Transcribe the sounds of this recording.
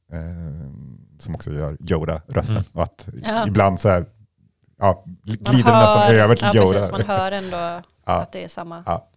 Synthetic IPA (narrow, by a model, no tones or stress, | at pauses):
sɔmɔksɔjœ̰ːɾjoːd̪aɾʔœst̪ənɔat̪ɪbland̪sɔæɾ | ʔɑːɡliːd̪əɾvɪnɛst̪abeøːvəʈ̪ʰɪljoːd̪ahœːɾɛnd̪oː | ɑ̰ːd̪ɛɛsamːaɑ̰ː